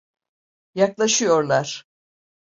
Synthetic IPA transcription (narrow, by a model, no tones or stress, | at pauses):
jaklˠaʃɯjo̞ɾlˠaɾ̥